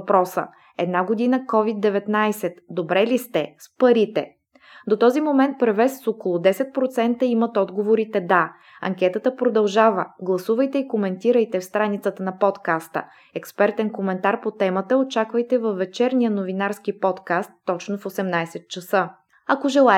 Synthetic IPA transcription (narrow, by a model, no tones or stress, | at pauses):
pɾɔsə̰ | ɛd̪naɡod̪inəkɔvid̪d̪ːɛvɛt̪najsɛt̪d̪obɾɛlist̪ɛspɐɾit̪ɛ̰ | d̪ot̪ɔzimomɛnt̪̚pɾɛvɛsːokolˠod̪ɛsɛt̪̚pɾot̪sɛnt̪əimət̪ɔd̪ɡovoɾit̪ɛd̪a | ɐ̰ŋkʲɛt̪ət̪əpɾod̪ɐlˠʒavəɡlˠɐsuvəjt̪ɛikomɛnt̪iɾəjt̪ɛfst̪ɾanit̪sət̪ənɐpɔt̪kast̪ə̰ | ɛkspɛɾt̪ɛnkomɛnt̪aɾpot̪ɛmət̪əot͡ʃakvəjt̪ɛvɐfːɛt͡ʃɛɾnijənovinaɾsk̟ipɔt̪kast̪ːɔt͡ʃnofosɛmnajsɛt̪̚t͡ʃɐsɤ | ɐkoʒɛlˠa